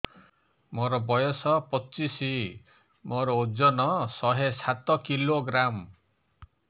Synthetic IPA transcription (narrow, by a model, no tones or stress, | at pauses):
mɔɾɔbɔjɔsɔpɔt͡ʃisi | mɔɾɔud͡ʒɔnɔsɔɦesat̪ɔkiloɡɾam